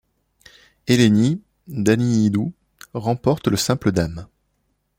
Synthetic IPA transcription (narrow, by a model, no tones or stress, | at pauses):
eleni | d̪aniːd̪u | ʁɑ̃pɔʁt̪ləsɛ̃pləd̪am